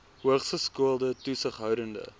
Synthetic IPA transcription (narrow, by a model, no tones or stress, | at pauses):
ɦuəχsəskuəlˠdətusəχɦœwdəndə̰